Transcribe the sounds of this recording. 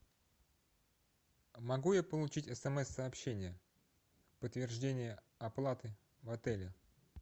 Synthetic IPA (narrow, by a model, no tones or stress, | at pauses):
mɐɡujapəlˠʊt͡ɕitʲɛsɛmɛsːəɐpɕːenʲɪjə | pət̪vʲɪrʐdʲenʲɪjə | ɐplˠat̪ɨ | vɐt̪ɛlʲɪ